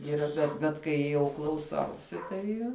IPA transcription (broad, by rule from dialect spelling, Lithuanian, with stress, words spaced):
iːˈrɐ bʲɛt bʲɛt ˈkɐɪ jɛʊ klˠɐʊˈsɐʊsʲɪ ˈtɐɪ